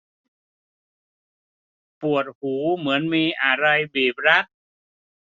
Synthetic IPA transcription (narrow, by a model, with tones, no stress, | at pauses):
pu˨˩ət̪̚huː˩˦mɯ˩˦ənmiː˧ʔa˧ɾa˧jbiː˨˩p̚ɾa˦˥t̪̚